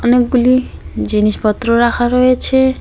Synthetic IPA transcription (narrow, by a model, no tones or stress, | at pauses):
ɔnekɡulid͡ʑiniʃpɔt̪ːɾoɾakʰaɾɔet͡ɕʰe